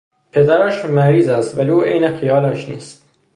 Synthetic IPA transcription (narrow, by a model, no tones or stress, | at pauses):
pʰe̞d̪æɾæːʃmæɾiːzæst̪væliuːʔejnexijɒːlæʃnḭːst̪̚